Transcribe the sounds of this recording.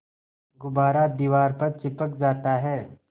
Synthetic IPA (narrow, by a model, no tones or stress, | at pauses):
ɡʊbaːɾad̪iːʋaːɾpɐɾt͡ʃɪpəkd͡ʒaːt̪aɦɛː